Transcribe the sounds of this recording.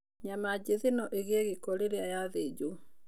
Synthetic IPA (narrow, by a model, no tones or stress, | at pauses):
ɲamad͡ʑeðenɔʔeɣeɛɣekɔɾeɾeajaðed͡ʒu